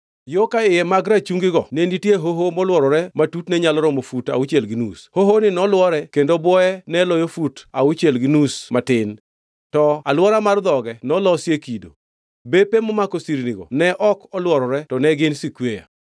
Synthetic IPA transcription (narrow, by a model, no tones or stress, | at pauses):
jokaɪjɛmaɡɾat͡ʃuŋɡɪɡɔnenitjeɦoɦomɔlwɔɾɔɾɛmatutnɛɲalɔɾɔmofuta̰ut͡ʃelɡɪnushoɦonɪnɔlwɔɾɛkendobwɔɛnɛlɔjofutaut͡ʃelɡɪnusmatɪn | tɔalwɔɾamard̪ɔɡɛnɔlɔsjekido̰ | bepemɔmakosiɾniɡɔ̰nɛʔɔkɔlwɔɾɔɾɛtɔnɛɡɪnsikweja̰